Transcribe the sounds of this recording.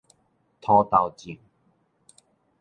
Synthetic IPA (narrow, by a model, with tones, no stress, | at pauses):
t̪ʰɔ˧t̪a˨wt͡ɕi˨˩ŋ